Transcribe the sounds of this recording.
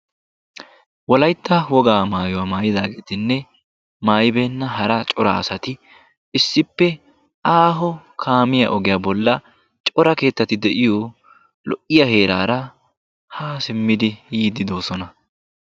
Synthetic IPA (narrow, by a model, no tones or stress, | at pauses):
wɔlɐjt̪ːɐwɔɡaːmaːjɔwaːmaːjɪd̪aːɡeːt̪ɪnːɛ | maːjbeːnːɐɦɐɾɐt͡ʃʼɔɾa̰ɐsɐt̪ɪ | ɪsːɪpːɛ | ʔaːɦɔkʰaːmɪjɐ̰ʔɔɡɪjaːbɔlːɐ | t͡ʃʼɔɾɐke̞ːt̪ːɐt̪ɪd̪ɛʔɪjo | lɔʔɪjɐhe̞ːɾaːɾɐ | haːsɪmːɪd̪ɪjiːd̪ɪd̪oːsɔnɐ